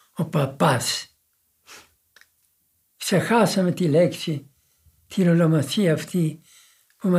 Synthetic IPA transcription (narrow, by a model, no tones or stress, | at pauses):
opɐpɐs | ksexɐsɐmet̪ileksi | t̪ʰiɾolomɐθiɐːft̪i | pumɐ